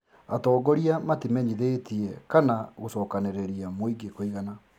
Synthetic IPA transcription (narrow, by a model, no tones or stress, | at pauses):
atɔːɡɔɾiamatimɛɲiðeːtiɛkanaɣosɔːkaneɾeɾiamoiɡekoiɣana